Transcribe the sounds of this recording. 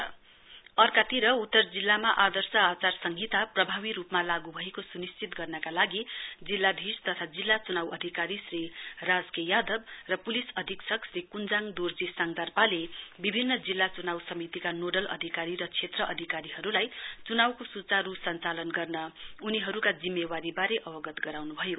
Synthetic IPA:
ʌrkat̪iɾʌut̪ːʌrd͡zilːamaʔad̪ʌrsʌat͡sarsʌŋɡʱit̪aprʌbʱabiɾupmalaɡubʱʌekosunist͡sit̪ɡʌrnʌkalaɡid͡zilːad̪ʱist̪ʌt̪ʰad͡zilːat͡sunawʌd̪ʱikaɾisrirad͡zkejad̪ʌbrʌpulisʌd̪ʱiksʌksrikund͡zaŋd̪urd͡zisaŋd̪arpalebibʱinːʌd͡zilːat͡sunawsʌmit̪ikanoɖʌlʔʌ̰d̪ʱikaɾiɾʌt͡sʰet̪rʌʔʌd̪ʱikaɾiɦʌɾulajt͡sunawkosut͡saɾusʌnt͡salʌnɡʌrnʌuniɦʌɾukad͡zimːewaɾibaɾeʔʌbʌɡʌt̪ɡʌɾawnubʱʌjo

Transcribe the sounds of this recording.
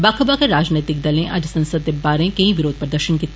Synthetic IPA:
baːkʰəbakeɾaːd͡ʒneːt̪ɪk̚d̪ɐlẽʔɐd͡ʒsɐ̃nsəd̪̚kebaːɾẽkɐɦĩʋɪɾoːd̪̚pɐɾd̪ɐɾʃənkit̪

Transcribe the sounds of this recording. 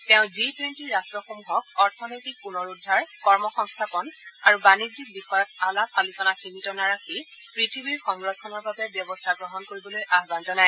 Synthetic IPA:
tɛʊ̃zitwɛntiɹastɹɔxomuɦɔk̚ɔɹtʰɔnojtik̚punɔɹudʱːaɹkɔɹmɔxɔŋstʰapɔnaɹubanizik̚bixɔjɔt̚alapʰalisɔnaximitɔnaɹakʰi | pɹitʰibiɹxɔŋɡɹɔt̚ʰkʰːɔnɔɹbabɛbjɔbɔstʰaɡɹɔɦɔnkoɹibɔlojʔaɦbanzɔnaj

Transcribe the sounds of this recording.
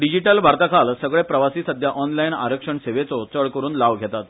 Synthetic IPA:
ɖid͡ʑiʈəlbʱaɾt̪akʰalsəɡɭepɾəʋasiːsəd̪ʱjaʔɔnlajna̰ɾəkʂəɳseʋet͡sɔt͡səɭkəɾuːnlaʋɡʱet̪at̪

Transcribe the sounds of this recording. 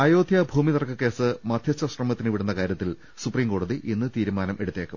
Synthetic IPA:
ɐjoːd̪ʱjɐbʱuːmit̪ɐrɐkːɐkːe̞ːsɨmɐd̪ʱjɐt͡ɕːɐɕrɐmɐt̪ːinɨʋiɽunːɐkaːɾjɐt̪ːil | supriːmko̞ːɽuðiʔinːɨt̪iːɾumaːnɐmʔe̞ɽut̪ːeːkːum

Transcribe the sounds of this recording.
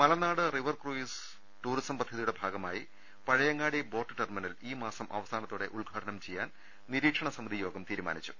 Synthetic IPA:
mɐlɐnaːɽɨriʋɐrkruːis | ʈuːɾisɐmpɐd̪ʱɐðijuɽe̞bʱaːɡɐmaːji | pɐɻɐjɐŋːaːɽibo̞ːʈːɨʈerminɐliːmaːsɐmʔɐ̰ʋɐsaːnɐt̪ːuːɽe̞ʔuɭɡʱaːʈʰɐnɐmt͡ɕe̞jːaːn | niɾiːkʂɐɳɐsɐmɐd̪ʱijo̞ːɡɐmt̪iːɾuma̰ːnit͡ɕːu̥

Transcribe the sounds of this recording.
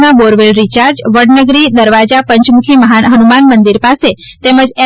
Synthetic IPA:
mãboɾʋelɾit͡ʃaɾd͡ʒʋəɽnəɡɾid̪əɾʋad͡ʒapəɲt͡ʃmukʰiməɦaɦənumanmənd̪iɾpase | t̪ɛməd͡ʒe

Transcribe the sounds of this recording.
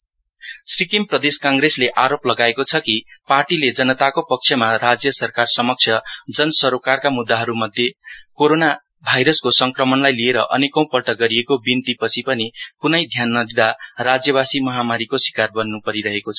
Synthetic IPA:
srikimprʌd̪eskaŋɡresleʔaɾoplʌɡaekot͡sʰʌkiparʈiled͡zʌnʌt̪akopʌk̚t͡sʰjʌmaɾad͡zjʌsʌrkarsʌmʌk̚t͡sʰjʌd͡zʌnʌswʌɾokarkamud̪ːaɦʌɾumʌd̪ʱjekoɾona | bʱajɾʌskosʌŋkrʌmʌnlajlieɾʌʔʌ̰nekʌ̃w̃pʌlʈʌɡʌɾiekobint̪ipʌt͡sʰipʌnikunʌjd̪ʱjanːʌd̪id̪arad͡zjʌβasimʌɦamaɾikosi̥karbʌnːupʌɾiɾʌɦekot͡sʰʌ̥

